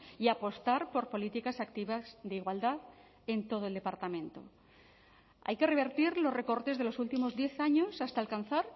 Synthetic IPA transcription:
iapo̞st̪aɾpo̞ɾpo̞lit̪ikasakt̪iβasðeiɣwald̪að | e̞nt̪o̞ð̞oeld̪e̞paɾt̪amẽ̞nt̪o̰ | a̰jke̞re̞β̞eɾt̪iɾlo̞sre̞ko̞ɾt̪e̞zðe̞lo̞sult̪imo̞zðje̞θaɲo̞sast̪aːlkan̟θaɾ

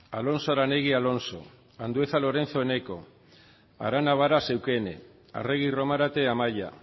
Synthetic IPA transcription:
alo̞nsoaɾane̞ɣialo̞nso̞̰ | and̪ue̞θalo̞ɾe̞nt͡so̞ene̞ko̞̰ | a̰ɾanaβ̞aɾase̞wkene̞̰ | a̰re̞ɣ̞iro̞maɾat̪e̞amaja̰

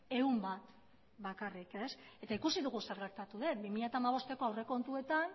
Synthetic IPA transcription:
e̞umbat̪ | bakarike̞se̞t̪aikusiðuɣuseɾɣe̞ɾt̪at̪uðe̞t̪bimiʎat̪amaβ̞o̞st̪e̞ko̞awre̞ko̞nt̪ue̞t̪an

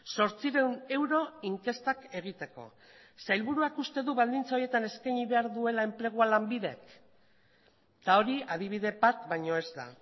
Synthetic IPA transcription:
so̞ɾt͡siɾe̞wne̞wɾo̞iŋke̞st̪ake̞ɣ̞it̪e̞ko̞̰ | sajlβuɾuakust̪e̞ðuβald̪int͡saoje̞t̪ane̞skajɲiβe̞aɾðue̞lae̞mple̞ɣ̞ualambiðe̞k | t̪ao̞ɾiaðiβ̞iðe̞bat̪bajɲo̞e̞zd̪a̰

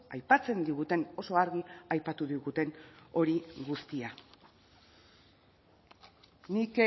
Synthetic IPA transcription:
ajpat͡se̞nd̪iɣut̪e̞no̞so̞aɾɣiajpat̪uðiɣut̪e̞no̞ɾiɡust̪ia | nik

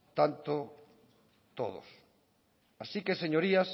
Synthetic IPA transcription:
t̪ant̪o | t̪oðo̰s | asikeseɲoɾias

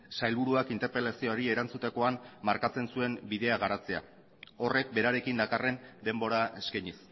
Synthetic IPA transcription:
sajlβuɾuakint̪e̞ɾpe̞lasioɾie̞ɾant͡sut̪eko̞ammaɾkat͡se̞nsue̞mbiðe̞aɣ̞aɾat͡se̞a̰ | o̞re̞k̚be̞ɾaɾe̞kind̪akare̞nd̪e̞mbo̞ɾaeskajɲis

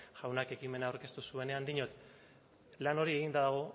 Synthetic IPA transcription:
ʝawnake̞kime̞naawɾke̞st̪usue̞ne̞and̪iɲot̪ | lano̞ɾie̞ɣ̞ind̪aðaɣ̞o̞

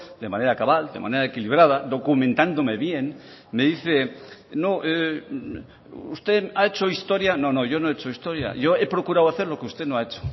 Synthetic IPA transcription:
d̪e̞mãne̞ɾakaβald̪emʔa̰neɾaekiliβ̞ɾað̞ad̪o̞kumẽnt̪and̪omeβjen | meðiθenoʔe | ust̪eaet͡ʃoist̪oɾjano̞noʝonoet͡ʃoist̪oɾja̰ʝoepɾo̞kuɾawaθe̞ɾlo̞keust̪enoaet͡ʃo̥

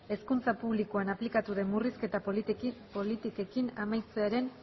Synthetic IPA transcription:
e̞skunt͡sapuβlikoanaplikat̪uðe̞mːuriske̞t̪appolit̪ike̞kinamajt͡seaɾe̞n

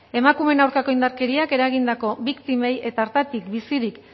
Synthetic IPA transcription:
e̞makume̞nawɾkako̞ind̪aɾke̞ɾiake̞ɾaɣ̞ind̪ako̞bikt̪ime̞je̞t̪aːɾt̪at̪ikbisiɾik

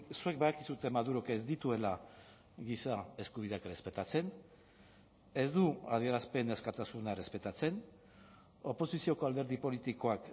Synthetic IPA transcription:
sue̞k̚beðakisut̪e̞maðuɾo̞kezd̪it̪ue̞la | ɣisae̞skuβ̞iðeakre̞spe̞t̪at͡se̞n | e̞zd̪ua̰ðie̞ɾaspe̞neskat̪asunare̞spe̞t̪at͡se̞n | o̞po̞sisio̞ko̞ald̪e̞ɾðipo̞lit̪iko̞ak

